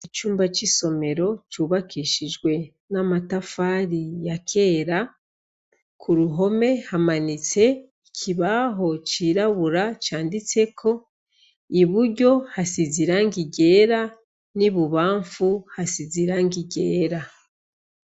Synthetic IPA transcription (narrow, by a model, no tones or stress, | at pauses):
it͡ʃuːmbat͡ʃiso̞me̞ɾo̞t͡ʃuːβakiʃid͡ʒɡwe̞ | namatafaɾijakʰe̞ːɾa | kʰuɾuɦo̞me̞hamanit͡se̞ | ikʰiβaɦo̞t͡ʃiːɾaβuɾat͡ʃaːndit͡se̞kʰo̞ | iβuɾɟo̞hasiziɾaŋɡiɟe̞ːɾa | niβuβaːɱfuhasiziɾaŋɡiɟe̞ːɾa